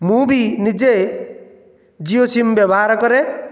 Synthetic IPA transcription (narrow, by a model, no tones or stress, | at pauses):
mũːbʱinɪd͡ʒe | d͡ʒijosimbjebaɾkɔɾe